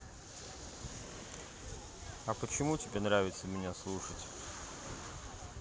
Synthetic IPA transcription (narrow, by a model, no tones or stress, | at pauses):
ɐpət͡ɕɪmutʲɪbʲenɾavʲɪt̪səmʲɪnʲaslˠuʂətʲ